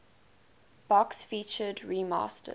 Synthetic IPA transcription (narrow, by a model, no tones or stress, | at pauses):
b̥ɔksfiːˑt͡ʃədɹimɑ̰ːˑstʰə̰